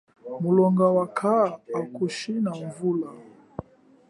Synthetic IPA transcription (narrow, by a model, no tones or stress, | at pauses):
mulɔŋɡawakʰaːkuʃinaɱvula